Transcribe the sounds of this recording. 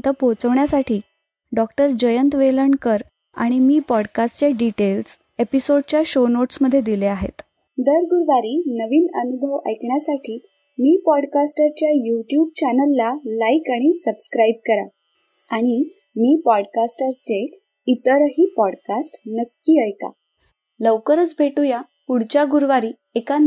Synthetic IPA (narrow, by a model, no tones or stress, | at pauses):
t̪əpot͡səʋɳjasaʈʰiː | ɖɔkʈəɾd͡ʑəjənt̪ʋeləɳkəɾ | a̰ɽ̃imiːpɔɽkasʈt͡ɕeɖiʈels | episoɽ̚t͡ɕjaɕonoʈsməd̪ʱːjed̪ileaɦḛt̪ | d̪əɾɡuɾʋaɾiːnəʋiːnənubʱəʋə̰jkɳjasaʈʰiː | miːpɔɽkasʈəɾt͡ɕjajuʈjuːb̚t͡ɕanəlːalaikaɽ̃isəbskɾaib̚kəɾa̰ | aɽ̃i | miːpɔɽkasʈəɾt͡se | it̪əɾɦiːpɔɽkasʈnəkːiːəjka̰ | ləʋkəɾət͡sbʱeʈuja | uɽt͡ɕjaɡuɾʋaɾiː | eka